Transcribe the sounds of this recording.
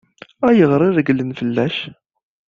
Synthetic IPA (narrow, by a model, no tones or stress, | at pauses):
æjəʁɾˤɪɾəɡlənfəlːæʃ